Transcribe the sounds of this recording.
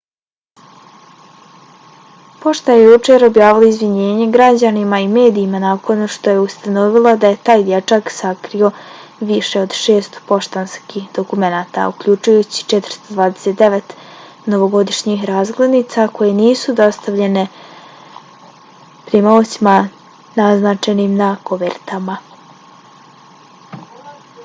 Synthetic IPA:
po̞ʃt̪ajejut͡ʃeɾo̞bjaːʋilˠoizʋiɲe̞ːɲe̞ɡɾad͡ʑanimaime̞ːd̪iːmanakʰo̞nʃt̪o̞je̞ust̪ano̞ʋilˠad̪aje̞t̪aːjd̪jet͡ʃaksakɾio̞ʋiʃeo̞d̪ʃe̞ːst̪po̞ʃt̪anskiːxd̪o̞kume̞naːt̪a̰ukʎuːt͡ʃujut͡ɕi̥t͡ʃet̪ɾ̩st̪o̞d̪ʋaːd̪e̥set̪d̪e̞ʋet̪ | no̞ʋo̞ɡo̞d̪iʃɲixɾaːzɡle̞d̪nit̪sako̞je̞niːsud̪ast̪aʋʎe̞ne̞ | pɾimoːt͡ɕima | naznat͡ʃenimnakoʋeɾt̪ama

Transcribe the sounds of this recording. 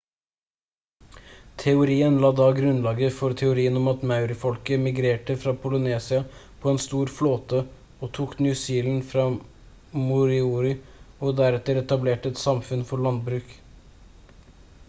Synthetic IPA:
t̪ʰɛʊɾiːənlɑːd̪ɑːɡɾʉnlɑːɡəfɔɾt̪ʰɛʊɾiːənɔmɑt̪mɑʉɾɪfɔlkəmɪɡɾeːʈəfɾɑːpʰʊləneːsɪɑpʰɔɛnst̪uːɾfloːt̪ə | oːt̪ʰuːknɪjʉsiːln̩fɾɑː | mʊɾɪuːɾɪɔd̪æɾɛt̪əɾɛt̪ɑbleːʈəɛt̪sɑmfʉnfɔɭɑnd̪̚bɾʉːk

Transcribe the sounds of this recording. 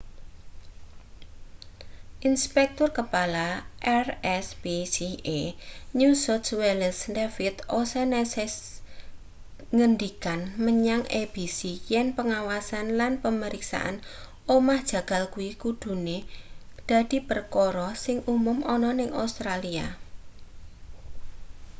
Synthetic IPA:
ʔinspɛk̚t̪ʊrkəpalaʔɛrɛsb̥esieɲusɔtsweləsndefɪt̪ʔosɛnɛsɛs | ŋəndikanməɲaŋeb̥isijɛnpəŋawasanlanpəməɾiksa̰ʔa̰n | omahd̥ʒ̥ä̤ɡ̥a̤lkuwikud̪̥ṳned̪̥ä̤d̪̥i̤pərkɔɾɔsɪŋumʊmʔɔnɔnɪŋʔa̰wst̪ɾalia̰

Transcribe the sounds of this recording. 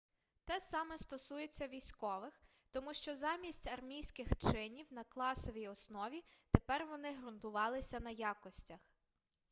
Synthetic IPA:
t̪ɛsɑmɛst̪ɔsujet͡sʲːɐʋʲijsʲkɔʋɪx | t̪ɔmuʃt͡ʃɔzɑmʲisʲtʲɐrmʲijsʲkɪxt͡ʃɪnʲiwnɐklˠɑsɔʋʲijɔsnɔʋʲit̪epɛrʋɔnɪɦɾʊnt̪ʊʋɑlˠɪsʲɐnɐjɑkɔsʲtʲɐx

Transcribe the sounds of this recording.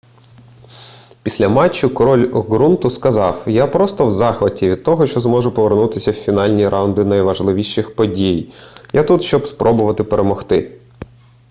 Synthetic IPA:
pʲisʲlʲɐmɑt͡ʃːʊkɔɾɔlʲɡɾunt̪ʊskɐzɑwjapɾɔst̪ɔwzɑxʋɐtʲiʋʲid̪̚t̪ɔɦɔʃt͡ʃɔzmɔʒʊpɔʋernut̪ɪsʲɐwfʲinɑlʲnʲiɾʔɑwʊnd̪ɪnɐjʋɐʒlˠɪʋʲiʃɪxpɔdʲijjʔat̪ut̪ʃt͡ʃɔbspɾʔɔbʊʋɐt̪ɪpeɾemɔxt̪ɪ

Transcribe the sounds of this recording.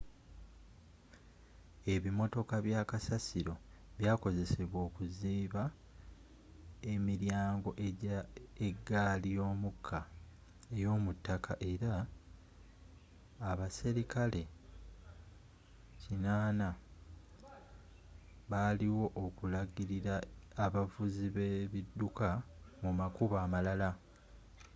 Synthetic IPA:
e̞βimo̞to̞kaβjaːkasasiɾo̞βjaːko̞ze̞se̞βwo̞ːkuziːβa | e̞miɾjaːŋɡo̞ʔ | eɡaːlijo̞ːmukʰːa | ejo̞ːmutːakaʔe̞ɾa | βasiɾikʰale̞ | cinaːna | βaliwo̞ʔokulaɡiɾiɾaːβavuziβeβidːuka | mumakuβaːmalala

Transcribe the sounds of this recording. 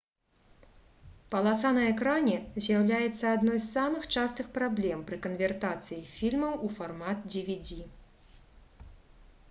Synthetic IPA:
pɐlˠasanɐɛkɾanʲɛzʲjawlʲajɛt̪sːɐad̪nɔjsːamɨxt͡ʂast̪ɨxpɾablʲɛmpɾɨkɐnvʲɛrt̪at̪sɨjifʲilʲmɐwufarmat̪̚d͡zʲivʲid͡zʲi

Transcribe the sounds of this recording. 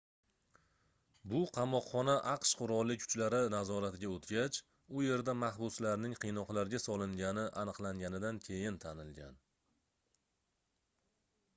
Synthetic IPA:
bʊqʰɑmɒqːɒnaʔɑqʃqʰʊɾɒlˠːɪk̚ʲʰʊ̥t͡ʃlaɾɪnazɒɾat̪ɪɡʲaot̪ɡʲat͡ʃ | ʊje̞ɾd̪amahbʊslaɾnɪŋqʰɨjnɒqlˠaɾɡʲasɒlˠɪŋɡʲanɪʔanɨqlˠaŋɡʲanɪd̪ankʲʰe̞jɪnt̪ʰanɪlɡʲa̰n

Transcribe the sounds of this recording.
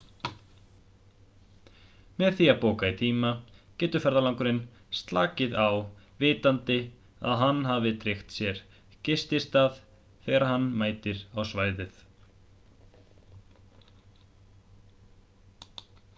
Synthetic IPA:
mɛðθiapoːwkait̪ʰiːmacɛːt̪ʏfɛɾðalaŋkʏɾɪn | st̪la̰ːcɪðaw | vɪːt̪ant̪ɪ | a̰ðɦanːɦavɪt̪ɾɪxt̪sjɛɾ̥ | cɪst̪ɪst̪að | θɛːɣɾaɦanːmaːjt̪ɪɾawsvaːjðɪθ

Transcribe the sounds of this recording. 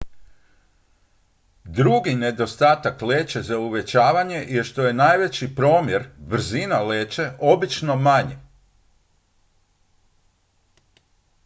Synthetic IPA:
d̪ɾuɡine̞d̪o̞st̪aːt̪akle̞ːt͡ʃe̞zauʋe̞t͡ɕaːʋaɲe̞jeʃt̪o̞je̞najʋe̞t͡ɕipɾo̞ːmje̞ɾbr̩zinale̞ːt͡ʃe̞ʔo̞bit͡ʃno̞maɲe

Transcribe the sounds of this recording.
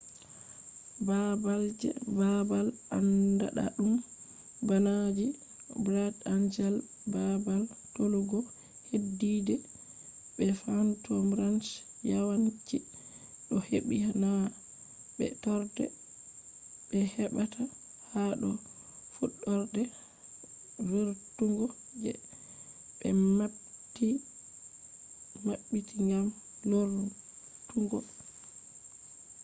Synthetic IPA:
babald͡ʒɛ̰babalandaɗa̰ɗum | banad͡ʒi | bɾadand͡ʒɛl | babal | toluɡɔ | hedːidɛ | ɓɛfantʰɔmɾant͡ʃ | jawant͡ʃi | ɗɔheɓihana | ɓɛ̰tɔɾdɛ̰ | ɓɛhɛɓatʰa | haɗɔ | fuɗːɔɾdɛ | viɾtuŋɡɔ | d͡ʒɛ | ɓɛ | ti | maɓːitʰiŋɡam | loɾ | tuŋɡɔ

